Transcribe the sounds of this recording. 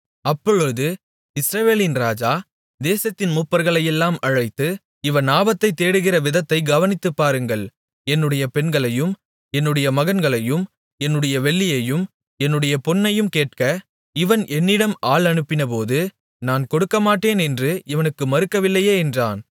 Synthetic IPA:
ɐpːɔɻɯðɯ | ɪsɾɐʋeːlɪnɾaːd͡ʒaː | d̪eːsɐt̪ːɪnmʊpːɐɾɣɐɭɐjɛlːaːmɐɻɐɪt̪ːɯ | ɪʋɐnaːbɐt̪ːɐɪt̪ːeːɽɯɣɪrɐʋɪðɐt̪ːɐɪɡɐʋɐnɪt̪ːɯpːaːɾɯŋɡɐɭ | ɛnːɯɽɐjɐpɛnɡɐɭɐjɯm | ɛnːɯɽɐjɐmɐɣɐnɡɐɭɐjɯm | ɛnːɯɽɐjɐʋɛɭːɪjɐjɯm | ɛnːɯɽɐjɐpɔnːɐjɯmkeːʈ̚kɐ | ɪʋɐnʔɛnːɪɽɐmaːɭɐnɯpːɪnɐp̬oːðɯ | naːnkɔɽɯkːɐmaːʈːeːnɛndrɯʔɪʋɐnɯkːɯmɐɾɯkːɐʋɪlːɐjeːɛndraːn

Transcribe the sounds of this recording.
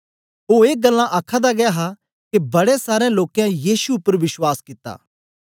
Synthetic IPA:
ɦoːeːɡɐlːãʔaːkʰad̪aɡɐjaɦa | kebɐɽesaːɾẽloːkjãjiːsuʊpːəɾʋɪswaːskɪt̪ːa̰ː

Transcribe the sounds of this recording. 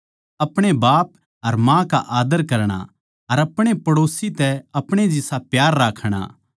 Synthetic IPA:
ɐpɽ̃ebaːp̚ | ɦɐɾmãːka̰ʔaːd̪əɾkɐɾɽ̃a̰ | ɐɾɐpɽ̃epɐɽoːsit̪ɛɐpɽ̃ed͡ʒɪsapjaːɾːaːkʰɽ̃a̰

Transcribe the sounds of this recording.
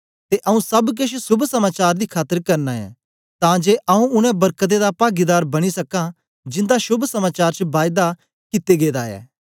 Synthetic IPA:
t̪eʔɐũsɐbk̬ɪʃsʊbʱsɐmaːt͡ʃaːɾd̪ikʰaːt̪əɾkɐɾnaɛ̰̃ | t̪ãːd͡ʒeːʔɐũʊɽ̃ɛ̃bɐɾkət̪̬ed̪apaːɡid̪aːɾbɐɽ̃isɐkã | d͡ʒɪ̃nd̪aʃʊbʱsɐmaːt͡ʃaːɾt͡ʃbaːjd̪a | kɪt̪eɡeːd̪aɛ̰ː

